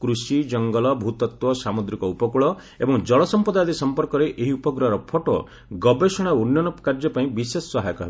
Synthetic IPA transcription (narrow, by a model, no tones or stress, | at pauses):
kɾusid͡ʒɔŋɡɔlɔbʱut̪ɔt̪wɔsamud̪ɾikɔupɔkuɭɔ | ḛbɔŋd͡ʒɔɭɔsɔmpɔd̪ajd̪isɔmpɔɾkɔɾeʔeɦiupɔɡɾɔɦɾɔpʰoʈɔ | ɡɔbesɔɽ̃aunjɔnɔkaɾd͡ʒɔpaĩbisesːɔɦajɔkɔɦe